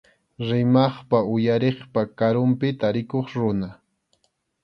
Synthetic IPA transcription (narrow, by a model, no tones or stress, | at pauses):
ɾɪmɑχpaʊjaɾeχpakaɾʊmpɪt̪aɾɪkoχɾʊna